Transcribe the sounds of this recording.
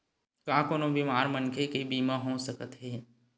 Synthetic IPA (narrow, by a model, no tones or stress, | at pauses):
kãːkoːnõbimaːɾmənkʰekibiːmãɦõːsəkət̪ɦɛː